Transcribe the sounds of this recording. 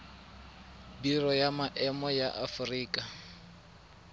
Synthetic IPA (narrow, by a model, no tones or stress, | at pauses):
birɔjamaʔɛmɔjaʔafʊriːkʼa